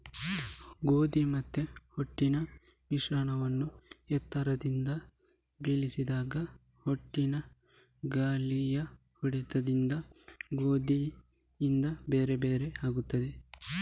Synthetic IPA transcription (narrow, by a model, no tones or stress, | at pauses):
ɡoːd̪imɐt̪ːehoʈːinɐ | ʋiʂaːɳɐʋɐnːuɛt̪ʰːɐɾɐd̪ind̪ɐ | bilisid̪aːɡɐ | hoʈːinɐ | ɡaːlijɐ | huɽit̪ɐd̪ind̪ɐɡoːd̪iː | nd̪ɐbe̞ːɾebeːɾeaːɡut̪ːɐd̪e